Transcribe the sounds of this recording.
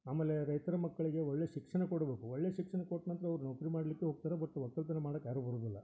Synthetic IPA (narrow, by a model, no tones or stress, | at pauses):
aːmeːleɾɐjt̪ɐɾɐmɐkːɐɭiɡeɔɭːeʃikʂɐɳekɔɽɐbe̞ːkuɔɭːeʃikʂɐnekoʈnɐnt̪ɾɐɐʋɐɾunokɾimaːɽlikːeɦoːɡ̚t̪aːɾebɐʈ̪ːuʋɐk̚t̪ːɐlt̪ɐnemaːɽokːjaːɾubʱɐɾud̪ilːɐ